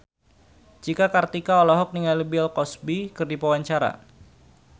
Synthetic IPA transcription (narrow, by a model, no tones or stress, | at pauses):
d͡ʒikakart̪ikaɔlɔɦɔk̚niŋalibiɛlkɔsbikɨrdipawaɲt͡ʃaɾa̰